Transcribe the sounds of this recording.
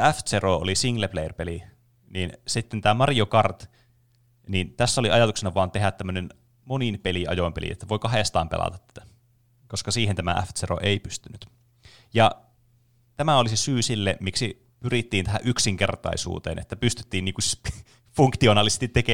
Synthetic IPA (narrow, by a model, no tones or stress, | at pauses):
æft̪seroo̰lisiŋlepleirpeli | niːnsit̪ːent̪æːmɑrjokɑrt̪ | niːnt̪æsːæoliɑjɑt̪uksenɑʋɑːnt̪eɦæt̪t̪ːæmːønen | moninpeliɑ̰jompelḭḛt̪ːæʋoikɑɦest̪ɑ̰ːmpḛlʔɑ̰t̪ɑt̪ːæ̥t̪æ̥ | koskɑsiːhent̪æmæ̰ʔæ̰ft̪sero̰ʔeipyst̪ynyt̪ | jɑ | t̪æmæolisesyːsilːemmiksi | pyrit̪ːiːnt̪æɦæʔyksiŋkert̪ɑ̰isṵːt̪ḛːnʔḛt̪ːæpyst̪y̥t̪ːiːnniːŋku | fuŋkt̪ionɑːlisest̪it̪ːeke